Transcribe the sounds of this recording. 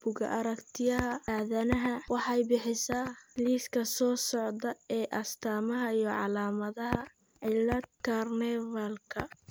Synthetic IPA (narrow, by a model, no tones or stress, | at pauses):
b̥ʊɣɐ̰ʔɐɾɐkt̪ʰɪjɐɦɐaːðɐnɐɦɐwɑħɑjbɪħɪsaːliːskʰɐsɔːsɔʕd̪ɐɛːʔɐst̪ʰaːmɐɦɐijɞʕɑlaːmɐðɐɦɐ | ʕɪlɐd̪̚kʰarnɛvɐlkʰɐ